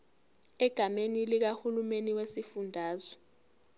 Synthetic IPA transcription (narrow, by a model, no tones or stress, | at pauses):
ɛɡ̥ʱamenilik̬ahulumeniwesifundʱaːzɔ